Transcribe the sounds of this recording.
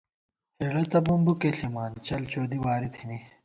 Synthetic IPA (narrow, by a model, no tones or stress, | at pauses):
heɽɐt̪ɐbumbukeɬimaːnt͡ɕɐlt͡ɕoːd̪iwaːɾit̪ʰini